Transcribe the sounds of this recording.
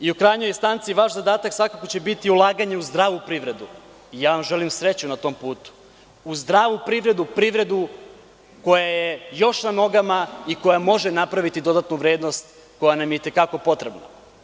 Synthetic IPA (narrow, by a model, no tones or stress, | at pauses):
iukɾajɲo̞jst̪ant̪siʋaʃzad̪aːt̪aksʋakako̞t͡ɕe̞bit̪iulˠaːɡaɲe̞uzd̪ɾaːʋupɾiʋɾe̞d̪u | ijaːʋamʒe̞limsɾe̞t͡ɕunat̪o̞mpuːt̪u̥ | uzd̪ɾaːʋupɾiʋɾe̞d̪upɾiʋɾe̞d̪u | ko̞jajejo̞ʃnano̞ɡamaiko̞jamo̞ʒenapɾaʋit̪id̪o̞d̪at̪nuʋɾeːd̪no̞st̪ | ko̞janamjeit̪e̞kako̞po̞t̪ɾe̞bna